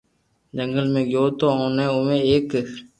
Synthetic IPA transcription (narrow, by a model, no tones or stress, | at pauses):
d͡ʒəŋɡəlmẽːɡjoːt̪õːoːnẽːʊmẽːeːk